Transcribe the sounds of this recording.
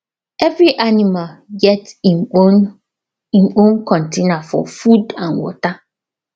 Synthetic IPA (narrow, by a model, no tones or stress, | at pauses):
ɛvɾiʔanĩmalɡɛt | ĩmõnkʰɔ̃ntʰenafɔ̰fudãnwɔ̰ta